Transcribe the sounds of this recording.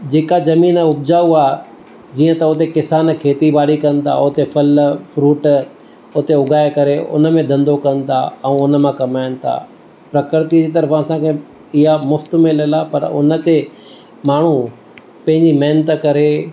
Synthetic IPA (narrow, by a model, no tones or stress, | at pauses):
d͡ʑeːkazɐmiːnʊbd͡ʑaːuaː | d͡ʑiːə̃t̪ɐʊt̪ekɪsaːnkʰeːt̪ibaːɽikɐnɪ̆t̪ʰa̰ʊt̪epʰɐlfɾuːʈ | ʊt̪eʊɡʱaːekɐɾeʊ̰nə̆mẽd̪ʱɐ̃nd̪okɐ̃nɪ̆t̪ʰa̰ɛ̃ʊnəmãkɐmaːɪnɪ̆t̪ʰa̰ː | pɾɐkɾt̪id͡ʑiːt̪ɐɾfɐsãkʰe | ɪɦamʊft̪mẽlɐlapɐɾʊ̰nə̆t̪e | maːɳ̤u | pɐ̃ɦɪ̃ɲd͡ʑimɐɦnət̪kɐɾe